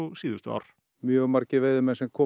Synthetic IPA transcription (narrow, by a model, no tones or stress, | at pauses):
usiːðʏst̪ʏa̰ɾ̥ | mjœːɣmaɾcɪveːjðʏmɛnsɛmkʰɔː